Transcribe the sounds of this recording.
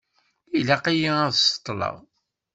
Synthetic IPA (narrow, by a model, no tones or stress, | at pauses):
ilæqijiæðsə̥t̪ˤːlɑ̰ʁ